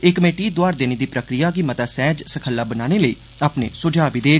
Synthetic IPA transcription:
ekːəmeːʈiːd̪oaːɾd̪eːneːd̪iːpɾəkɾijaːk̬imət̪aːsɛ̃ːd͡ʒsəkʰəlːaːbənaːneːləḭː | aːpnḛːsʊd͡ʒaːʋid̪eː

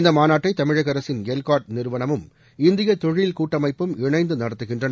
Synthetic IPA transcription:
nd̪ɐmaːnaːʈːɐɪt̪ɐmɪɻɐɣɐɾɐsɪnɡelkaːʈ̚nɪɾɯʋɐnɐmɯm | ɪnd̪ɪjɐt̪ːɔɻjlkuːʈːɐmɐɪpːɯmɪɳɐɪnd̪ɯnɐɽɐt̪ːɯɣɪndrɐnɐ

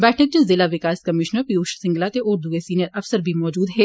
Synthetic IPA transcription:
bɛːʈʰək̚d͡ʒəzɪlaʋɪkaːskɐmɪʃnəɾpjuːʃsɪ̃ŋɡlat̪eʔʊɾd̪uesiːnjəɾɐfsəɾbʱimɔːd͡ʒuːd̪ɦɛː

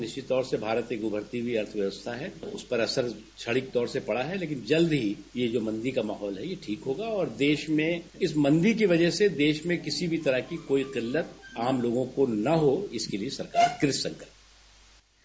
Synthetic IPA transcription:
nɪʃt͡ʃɪt̪ːɔːɾsebʱaːɾət̪eɡʊbʱəɾt̪ibʱiɐɾt̪ʰʋjɐʋəst̪ʰaɦɛʊspɐɾɐsəɾ | t͡ʃʰɐɽɪk̚t̪ɔːɾsepɐɽaɦɛleːk̬ɪnd͡ʒɐld̪ɦijed͡ʒoːmɐ̃nd̪ikama̰ːɦɔːlɦɛjeʈʰiːkɦoːɡaɔːɾd̪eːʃmẽɪsmɐ̃nd̪ik̬iʋɐd͡ʒəɦsed̪eːʃmẽkɪsibʱit̪ɐɾəɦkikoːiqɪlːət̪aːmloːɡõkonɐɦoɪskeliesɐɾkaːɾkɾɪssɐ̃ŋkəɾt̪ː

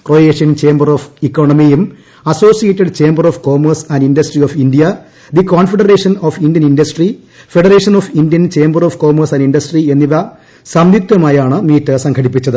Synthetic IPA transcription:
kroːeːʂijɐnt͡ɕe̞ːmbɐroːfikːoːɳɐmijum | ɐso̞ːsijetːiɖt͡ɕe̞ːmbɐrofko̞ːmɐrsɐ̃nɖindɐsʈrioːfindijɐ | d̪ikoːnfeɽɐreːʂɐnoːfindjɐnindɐsʈri | feɽɐre̞ːʂɐnoːfindjɐnt͡ɕe̞ːmbɐroːfko̞ːmɐrsɐ̃ndinɖɐsʈrie̞nːiʋɐ | sɐmd̪ʱit̪jɐmaːjaːɳɨmiːtːɨsɐŋkʰɐɽipːit͡ɕːɐðɨ

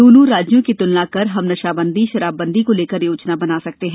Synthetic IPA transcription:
oːnũɾaːd͡ʒjõkit̪ʊllakɐɾɦɐmnɐʃaːbə̃nd̪ʱiʃɐɾaːbːɐ̃nd̪ʱikoleːkəɾjoːt͡ʃnabɐnaːsɐk̚t̪eɦɛ̃ː

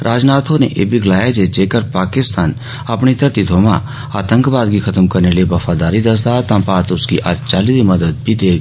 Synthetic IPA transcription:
ɾʔaːd͡ʒnaːt̪ʰonḛʔḛːbʱiɡlaːjad͡ʒed͡ʒeːkəɾpaːkɪst̪aːn | apɳit̪əɾt̪id̪ʱoːmã̰ | aːt̪ə̃ŋkbaːd̪ɡikʰɐt̪əmkɐɾneliebɐfʰaːd̪aːɾid̪ɐs̬d̪at̪ãːpaːɾt̪ʊskiʔa̰ːɾt͡ʃaːlid̪imɐd̪əd̪̚bʱid̪eːɡ

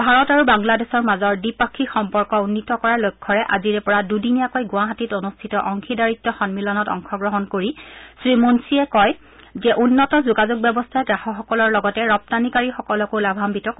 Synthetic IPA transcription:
bʱaɹɔtaɹubaŋladɛsɔɹmazɔɹdipakʰːixɔmpɔɹkɔunːitɔkɔɹalojkʰːɔɹɛʔaziɹɛpɔɹadudinijakojɡʊ̃aɦatitonustʰitɔʔɔŋkʰidaɹitːɔxɔnmilɔnɔtɔ̰ŋxʰɔɡɹɔɦɔnkoɹisɹimonsiɛkɔj | zɛʔunːɔtɔzuɡazuɡ̚bɔbɔstʰaɛdɹaxɔxɔkɔlɔɹlɔɡɔtɛɹɔp̚tanikaɹixɔkɔlɔkolabʱambitɔk

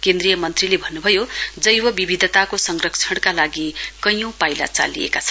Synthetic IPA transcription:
kend̪rijʌmʌnt̪rilebʱʌnːubʱʌjod͡zʌjwʌbibid̪ʱʌt̪akosʌŋɡrʌk̚t͡sʰʌɽ̃kalaɡikʌjõw̃pajla̰t͡sa̰lḭḛkat͡sʰʌn

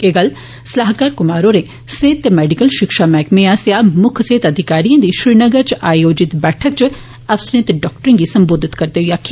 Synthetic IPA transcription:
eːɡəl | sɐlaːɦkaːɾkʊmaːɾoːɾeː | seːt̪ːemɛːɖikəlʃɪkʃaːmɛːkmẽãːsejaːmʊkʰseːt̪ɐd̪ʱɪkaːɾijãːd̪iʃɾiːnəɡəɾt͡ʃʔaːjoːd͡ʒɪt̪bɛːʈʰək̚t͡ʃ | ɐfsəɾet̪ɖɔːk̚ʈəɾẽŋɡisɐmboːd̪ʱɪt̪kɐɾd̪eːɦʊjaːkʰː

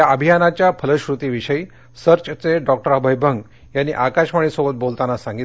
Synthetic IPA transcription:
jaəbʱijanat͡ɕjapʰələɕɾut̪iːʋiɕəi | səɾt͡ɕt͡seɖɔk̚ʈəɾabʱajbʱəŋɡ | janːḭʔakaɕmaɳ̃iːsobət̪̚bolt̪anasãŋɡit̪

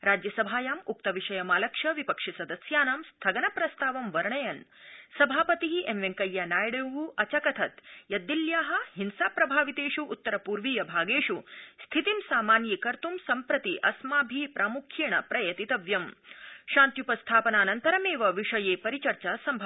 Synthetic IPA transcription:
ɾaːd͡ʒjɐsɐbʱaːjaːmuk̚t̪ɐʋiʂɐjɐmaːlɐkʂɐʋipɐkʂisɐd̪ɐsjaːnaːmst̪ʰɐɡɐnɐpɾɐst̪aːʋɐmʋɐɾɳɐjɐnsɐbʱaːpɐt̪iɦiʔemʋeŋkɐjːanaːjɽeːʋuʔɐt͡ʃɐkɐt̪ʰɐt̪jɐd̪ːiljaːɦɐ̆hinsaːpɾɐbʱaːʋit̪eːʂuʔːt̪ːɐɾɐpuːɾʋiːjɐbʱaːɡeːʂust̪ʰit̪imsaːmaːnjikɐɾt̪umsɐmpɾɐt̪iʔɐsmaːbʱipɾʔaːmukʰjiɳɐpɾɐjɐt̪it̪ɐʋjɐmʃaːnt̪jupɐst̪ʰaːpɐnaːnɐnt̪ɐɾɐmeːʋɐʋiʂɐjeːpɐɾit͡ʃɐɾt͡ʃasɐmbʱɐ

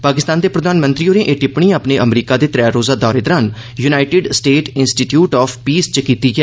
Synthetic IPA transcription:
paːkɪst̪aːnd̪eːpɾəd̪aːnmə̃nt̪ɾiːoːnẽːʔeʈɪpɳ̃ĩːaːpneːʔəmɾiːkaːd̪eːt̪ɾɛːɾoːzaːd̪ɔːɾeːd̪əɾaːn | junaːɪʈɪɖsʈeːʈɪnsʈiːʈjuːʈɔːpʰpiːst͡ʃəkiːt̪iːɡɛː

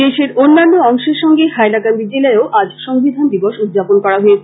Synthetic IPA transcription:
d̪eʃeɾonːanːoɔŋʃeɾʃɔŋɡehaelaɡand̪id͡ʑelaeoʔad͡ʑʃɔŋbid̪ʱand̪iboʃud̪d͡ʑaponkɔɾaɦoet͡ɕʰ

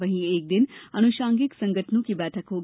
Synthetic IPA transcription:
ʋɐɦĩeːk̚d̪ɪnɐnʊʃãːŋɡɪksɐ̃ŋɡəʈʰnũkibɛːʈʰəkɦoːɡ

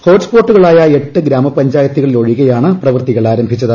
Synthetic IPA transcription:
ho̞ːʈspo̞ːʈːuɣɐɭaːjɐe̞ʈːɨɡɾaːmɐpɐɲd͡ʑaːjɐt̪ːiɣɐɭilo̞ɻiɣɐjaːɳɨprɐʋɨrt̪iɣɐɭaːɾɐmbʱit͡ɕːɐðɨ

